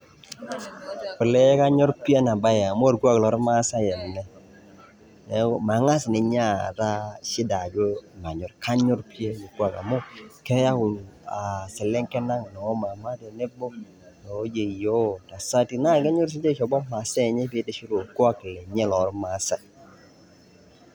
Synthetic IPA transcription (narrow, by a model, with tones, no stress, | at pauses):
pɪ˨lɛ˦ka˦ɲɔ˦ɾpi˦e˦na˨ba˦ja˨mʊ˦a˨ɾku˦a˦klɔ˨˦ɾma˦sa˦jɛ˨m˨nɛ˦ | ne˨˦ma˨˦ŋa˦snɛ˨ɲ˦a˦ta˦ʃɪ˦da˨d͡ʒo˦˨ma˨ɲɔ˨ɾka˦ɲɔ˦ɾpi˦e˦je˨ku˦a˨ka̰˨mʊ˦kɛ˦ja˦ʊ˨n˨a˨sɛ˨lɛ˦ŋkɛ˦na˦ŋ˨nɔ˨˦ma˨ma˦tɛ˨nɛ˦bɔ˦ | nɔ˨˦d͡ʒe˨jo˦ta˨sa˦ti˨na˦ke˦ɲɔ˦ɾs̬i˦d͡ʒe˦ʃɔ˨bɔ˦ma˨se˦˨ɲɛ˦pɪ˦dɛ˦ʃi˦ɾo˨ku˦a˦kːɪ˨lɛ˨ɲɛ˦lɔ˨ɾma˨˦sa˦